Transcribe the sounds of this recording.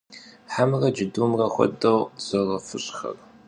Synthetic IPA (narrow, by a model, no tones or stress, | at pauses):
ħamrɐd͡ʒɪdumrɐxʷɔ̰dɐwzɐrɐfɨɕʼxɐ̰r